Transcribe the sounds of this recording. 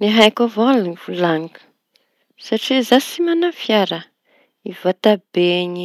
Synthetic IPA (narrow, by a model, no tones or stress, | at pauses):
neɦajkavaluniv̥ulaŋkə̥ | saʈ͡ʂizasimanafjaɾa | ivat̪abeɲi